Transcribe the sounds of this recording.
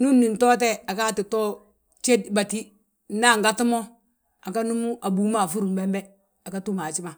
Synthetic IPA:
nu˦nːi˨nto˦t̬e˦a˨ka˦˨ti˨to˦ | t͡ʃe˦dba˨ti˦˨˦ | na˦˨ŋɡa˦ti˦mo˦ | a˨ka˦nu˦mu˦ʔa˨bu˨˦ma˦˨fu˦ɾu˨mbe˦mbe˦ | a˨ka˦tu˦ma˨t͡ʃi˦ma˨

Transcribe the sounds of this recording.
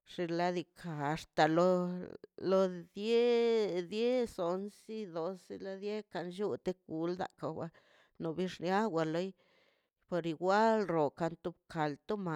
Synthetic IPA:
ʂi˧la˧d̪i˧kʰa˨˧ʂt̪a˨lo˧ | lo˧d̪je˦d̪je˦so˨nsi˦d̪o˧si˧la˧d̪je˦ka˧nʃu˦t̪e˦k̚ɡu˧ld̪a̰˨ka˨wa˧ | no˨bi˦ʂnja˦wa˧lo˦j | po˧ɾi˧ɡʷa˦lɾo˨ka˧nt̪u˧bkʰa˨lt̪o˦ma˨

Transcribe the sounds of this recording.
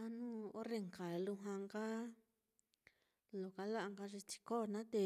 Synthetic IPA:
ã˧˦nũː˦o˦re˧ŋka˨lu˧ɦã˧ŋka˦ | lo˨ka˧la˦ʔa˧ŋɡa˧ʐi˧t͡ʃi̥˧ko˦˧nã˦t̪e˧

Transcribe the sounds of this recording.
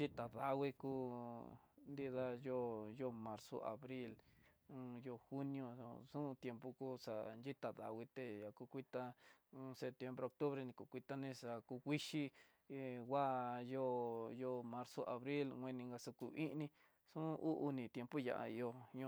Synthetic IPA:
d͡ʒi˦t̪a˨ða˧wi˧kuː˦ | nd̪i˦ða˧jo˦jo˧mã˧ɾso̰˧ʔa̰˨βɾi˦l | jo˧xu˦nĩ˧õ˧sũ˦˧t̪je˧mpu˧ku˦ʂa̰˧˨nd͡ʒi˦t̪a˨ða̰˨wʷi˧t̪e˧ja˨ku˧kʷi˦t̪a˧se˧˨t̪je˧mbɾe˧o˧k̚t̪u˦βɾe˧nĩ˧ku˧˨kʷi˧t̪a˧nĩ˧ʂa˧ku˧kʷi˦ʃi˦ | wa˦jo˦jo˦˧mã˧ɾso˧ʔa˨βɾi˦lwʷẽ˧nĩ˧ŋɡa˧su˧ku˧ʔi˦ʔnĩ˧ | ʂũ˦ʔu˦ʔu˧nĩ˨t̪je˧mpu˦ja̰˧˨a̰˧i˧o˧ɲõ˧

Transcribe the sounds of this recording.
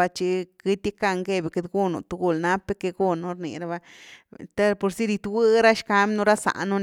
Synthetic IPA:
a˧t͡ʃi˧ki˧t̪ʲi˦ka˧ŋɡe˧be˨ke˧d̪ɡu˦˧nṵ˨t̪u˧ɡu˦˧˨lna˦pːe˦ke˧ɡu˦˧nu˧ɾnḭ˨ɾa˦ba˧t̪a˦po˨ɾsi˦ɾi˧t̪wɨ˦ɾa˦ʃka˦m˦nu˧ɾa˦sa̰˨ʔnu˦n

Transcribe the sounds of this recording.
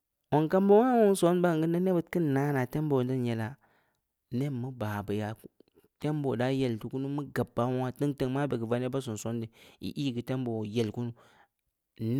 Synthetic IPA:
wo˨ŋka˦mbo˦a˦wu˦n˦so˦n˦ba˦˨ɡɨ˦nda˦ne˦bə˨˦t̚ki˦nːa˦na˨te˦mbo˨n˦di˦nje˨la˨ | ne˦mu˦ba˨bə˨ja˨k | te˦mbo˨da˦je˦˨ltu˨ku˦nu˦mɨ˦ɡa˨bːa˨˦wŋa˦ti˦ŋtə˦˨ŋma˦be˨ɡi˨va˦ne˦ba˦s̬u˨n˨so˦ndi˨ḭ˨ʔi˦˨ɡi˨te˦mbo˨je˦lku˦nu˦ | n˦

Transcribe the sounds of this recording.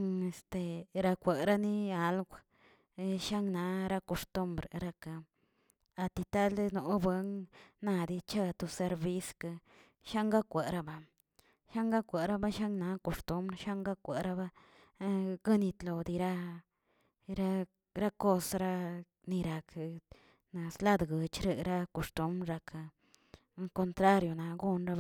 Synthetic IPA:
e˨st̪e˧ɾa˧kʷe˨ɾa˦ni˦a˨lɡʷ | ʃa˦ŋna˧˦ɾa˦ko˧st̪u˧mbɾɾa˧ka˨ | a˧t̪i˧t̪a˦lno˨bwe˦ŋna˧d̪i˧t͡ʃa˦˧t̪u˧se˧ɾbi˦ska˧ | ʃa˦ŋɡa˦kʷe˨ɾa˧ba˨ | ʃa˦ŋɡa˦kʷa˨ɾa˦ba˦ʃa˦ŋna˧˦ko˨st̪u˦mbɾʃa˦ŋɡa˦kʷa˨ɾa˦ba˦ | ɡa˦ni˧t̪lo˨d̪i˧ɾa˦ | ɾa˦ | ɾa˦ko˦sɾa˦ | ni˧ɾa˨k | na˨sla˦d̪ɡə˨t͡ʃɾe˧ɾa˦ko˧st̪u˦mɾɾa˧ka˧ | ko˧nt̪ɾa˦ɾjo˨na˧ɡu˦nɾa˧b

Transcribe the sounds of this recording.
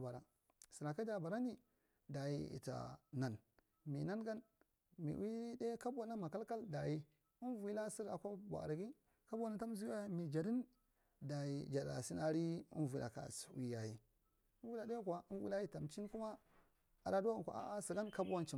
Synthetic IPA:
ba˨ɾa˨ | si˨ɾa˨ka˦d͡ʒa˨ba˨ɾa˦ni˦ | da˨ji˦ḭ˨ta̰˨na˨n | mi˨na˦nɡa˦n | mḭ˨wi˦de˦ka˦ba˨na˦ma˨ka˦lka˦lda˨ji˦ | i˦nvi˦la˦si˦ɾa̰˨kʷa˦bʷa̰˨ɾa˨ɡi˦ | ka˦bu˦wa˦na˦ta˦m˦zi˦a˦jmi˨d͡ʒa˨ɾi˦n | da˨ji˦˨d͡ʒa˨da̰˨si˦na˦ɾi˦ḭ˦nvi˨lʔa̰˨ka̰˨swi˦ja˨ji˦ | wu˦la˨da˦kʷa˨i˦nwḭ˦la˦ji˦ta˨mt͡ʃi˦n˦ku˦ma˦ | a˨da˦du˦a˦˨kʷa̰˨a̰˦˨a˦si˨ɡa˦nka˦bu˦wa˦nt͡ʃi˨

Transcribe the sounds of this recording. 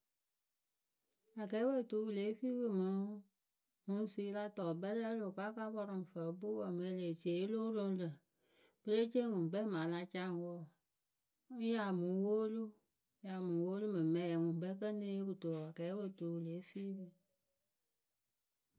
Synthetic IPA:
a˨kɛ˨˦we˦˨tu˨˦wu˨le˨˦fi˦bɨ˦mə˨˦ | mũ˨˦su˦i˦la˦tɔ˨bɛ˦lɛ˦lo˨ka˦ka˦bɔ˦ɾɔ˨fə˨˦bu˦wɔ˨me˨˦le˨si˨e˨˦lo˦ɾo˧˦lə˨ | b̥ə˦le˦t͡ʃe˦ŋũ˨bɛ˦ma˨la˦t͡ʃa˦˨ŋ˨wɔ˦˨˦ | ja˨mu˨˦wo˦lu˦ | ja˨mũ˨˦wo˦lu˦mɨ˨mɛ˨˦ja˨ŋu˨bɛ˦kə˦ne˦ku˨to˨a˨kɛ˨˦wə˦˨tu˨˦wu˨le˨˦fi˦bɨ˦

